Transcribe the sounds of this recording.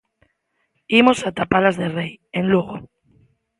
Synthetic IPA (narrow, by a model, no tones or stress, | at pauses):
imosat̪apalazðerejẽnluɣo